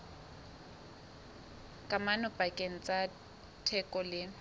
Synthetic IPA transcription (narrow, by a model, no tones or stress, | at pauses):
kʼamanʊpʼakʼeŋ̩t͡sʼa | tʰɛkʼɔlɪ